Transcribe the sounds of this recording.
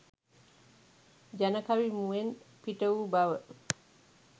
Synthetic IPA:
d͡ʒɐnɐkawimuwenpiʈəwubawə

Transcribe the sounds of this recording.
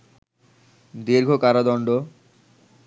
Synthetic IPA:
d̪iɾɡʱokaɾad̪ɔɳɖo

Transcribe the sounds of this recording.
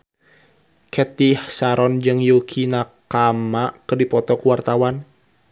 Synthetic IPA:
kʰɛt̪ihsaɾɔnd͡ʒɨŋjukʰinakamakərdipɔt̪ɔkuwart̪awan

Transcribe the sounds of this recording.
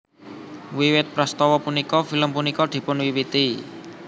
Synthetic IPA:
wiwɪt̪̚pɾəst̪ɔwɔpunikɔfiləmpunikɔd̪̥i̤pʊnwiwit̪i

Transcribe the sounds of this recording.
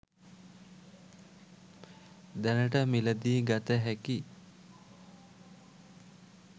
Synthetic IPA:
d̪ænəʈəmiləd̪iːɡat̪əɦæki

